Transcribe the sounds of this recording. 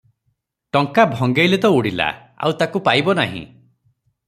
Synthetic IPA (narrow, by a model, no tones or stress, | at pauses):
ʈɔŋkabʱɔŋɡejlet̪ɔuɽila̰ | a̰wt̪akupajbɔnaɦḭ̃